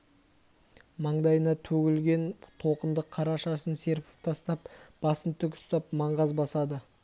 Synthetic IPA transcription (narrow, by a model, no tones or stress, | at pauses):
mɑɴd̪ɑjənɑt̪ʰɵɡʲɪlɡʲe̞nt̪ʰo̞qənd̪əqʰːɑɾɑʃɑsənse̞ɾpɪ̥p̚t̪ʰɑst̪ɑpb̥ɑsənt̪ʰʏkʲʏ̥st̪ɑp̚mɑɴʁɑzbɑsɑd̪ə